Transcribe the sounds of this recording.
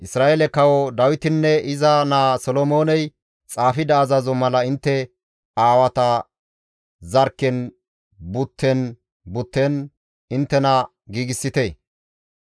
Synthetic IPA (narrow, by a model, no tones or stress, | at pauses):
ʔɪsɾaːʔelɛkɐwɔd̪ɐwɪt̪ɪnːɛʔɪzɐnaːsɔlɔmo̞ːnɛj | t͡sʼaːfɪd̪ɐːzɐzɔmɐlɐɪnt̪ːɛ | aːwɐt̪ɐ | zɐɾkːɛn | bʊt̪ʰːɛn | bʊt̪ːɛn | ɪnt̪ːɛnɐ | ɡiːɡɪsːɪt̪e